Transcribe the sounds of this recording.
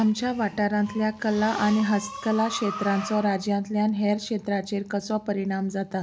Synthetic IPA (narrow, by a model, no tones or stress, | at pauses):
amt͡ɕjaʋaʈaɾãnt̪ljakəlaʔaɽ̃iɦəst̪kəlakɕet̪ɾãnt͡sɔɾad͡ʑjãnt̪ljanɦeɾkʂet̪ɾat͡ɕeɾkəsɔpəɾiɽ̃amd͡zat̪a